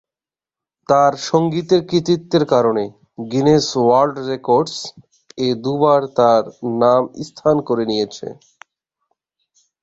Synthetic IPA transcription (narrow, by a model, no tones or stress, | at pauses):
t̪aɾʃoŋɡit̪eɾkɾit̪it̪ːeɾkaɾone | ɡineswalɖɾekoɾɖs | ed̪ubaɾt̪aɾnamḭst̪ʰankoɾenijet͡ɕʰḛ